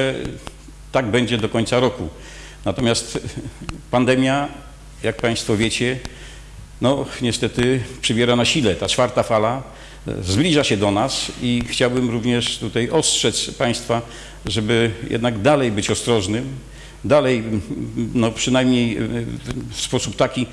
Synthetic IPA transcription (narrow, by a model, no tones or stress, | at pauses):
t̪aɡbɛɲd͡ʑɛd̪ɔkɔɲt̪saɾɔku | nat̪ɔmʲjast̪ | pand̪ɛmʲja | jak̚paj̃st̪fɔvʲjet͡ɕɛ | nɔɲɛst̪ɛt̪ɘpʂɨbʲjɛɾanaɕilɛt̪at͡ʂfaɾt̪afala | zblʲiʐaɕɛd̪ɔnasixt͡ɕawbɘmɾuvɲɛʂt̪ut̪ajɔstʂɛt̪spaj̃st̪fa | ʐɛbɘjɛ̰d̪naɡd̪alɛjbɘt͡ɕɔst̪ɾɔʐnɘm | d̪alɛj | nɔpʂɘnajmɲej | fspɔsup̚t̪akʲi